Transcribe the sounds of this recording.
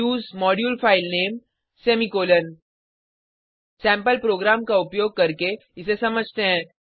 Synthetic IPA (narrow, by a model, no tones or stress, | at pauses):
uːzmɔːɖjuːlfaːɪlneːm | seːmikoːlən | sɛ̃ːmpəlpɾoːɡɾaːmkaʊpjoːɡ̚kɐɾke | ɪsesɐməd͡ʒʱt̪eɦɛ̃ː